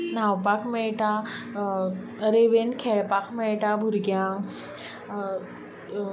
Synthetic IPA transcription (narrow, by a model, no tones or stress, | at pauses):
nawpakʰmeɭʈa | ɾeʋenkʰeɭpakʰmeɭʈabʱuɾɡjã